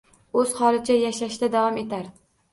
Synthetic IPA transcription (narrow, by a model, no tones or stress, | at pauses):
ɵz̥hɒlˠɪt͡ʃʰajaʃaʃd̪ad̪avɒme̞t̪ʰaɾ